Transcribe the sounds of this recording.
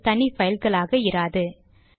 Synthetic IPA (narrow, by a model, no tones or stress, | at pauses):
t̪ɐɳifɐjɪlɣɐɭaːɣɐɪɾaːðɯ